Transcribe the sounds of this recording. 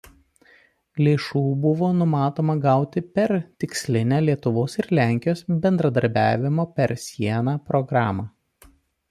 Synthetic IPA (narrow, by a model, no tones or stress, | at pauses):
lʲeːʃuːbʊʋoːnʊmɑːt̪oːmɐɡɑˑʊt̪ʲɪpʲɛɾt̪ʲɪksʲlʲɪnʲæːlʲiɛt̪ʊʋoːsɪɾlʲæˑŋʲkʲɪjoːsbʲɛnd̪ɾɐd̪ɐɾʲbʲæːʋʲɪmoːpʲɛɾsʲiɛnɑːpɾɔɡɾɑːmɑː